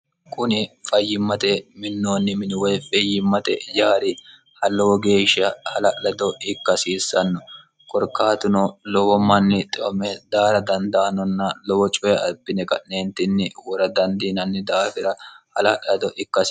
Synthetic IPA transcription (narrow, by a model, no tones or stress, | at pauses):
kʰʼʊnɪfɐjːɪmːɐt̪ɛmɪnːoːnːɪmɪnɪwɛjfɛjːɪmːɐt̪ɛ̰jaːɾɪ | hɐlːɔwɔɡe̞ːʃːɐhɐlɐlɐd̪ɔɪkːɐsiːsːɐnːɔ | kʼɔɾkːaːt̪ʊnɔlɔwɔmːɐnːɪt̪ʼɪɔmɛd̪aːɾɐd̪ɐnd̪aːnɔnːɐlɔwɔt͡ʃʼʊjɐɐbːɪnɛkʼɐ̰ʔneːnt̪ɪnːɪwɔɾɐd̪ɐnd̪iːnɐnːɪd̪aːfɪɾɐhɐlɐlɐd̪ɔʔɪkːɐs